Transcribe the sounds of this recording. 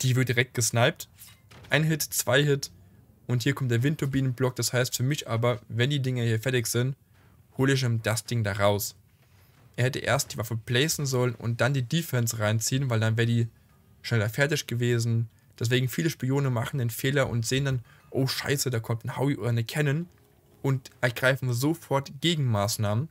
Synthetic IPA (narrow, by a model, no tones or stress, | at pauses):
d̥iːvɪɐt̚d̥iʁɛk̚t̚ɡ̥əʃnaɪp̚t | ʔaɪnɦɪtt͡sv̥aɪhɪt | ʔʊnthiːɐkʰɔmt̚d̥eːɐvɪnt̚ʰːʊbiːnənblɔk̚d̥ashaɪstfyːɐmɪçʔaːbɐvɛndiːdɪŋɐhiːɐfɛɐtɪçz̥ɪnt | hoːləɪç̬ɪmd̥asd̥ɪŋdaʁaʊs | ʔɛːɐhɛtəʔḛːɐstd̥iːvafəb̥lɛːsn̩zɔlənʊ̰nt̚d̥andiːdifɛnsʁaɪnt͡siːənvaɪldanvɛːʁdiː | ʃnɛlɐfɛɐtɪçɡ̥əveːzn̩ | d̥ɛs̬v̥eːɡŋ̩fiːləʃpioːnənmaχn̩deːnfeːlɐʔʊ̰ntz̥eːəndanʔoʊʃa̰ɪsədaːkʰɔmtn̩haʊiʔo̰ːdɐnəkʰɛnən | ʔʊntʔɛɐɡʁaɪfn̩zofɔɐtɡ̥eːɡŋ̩maːsnaːmən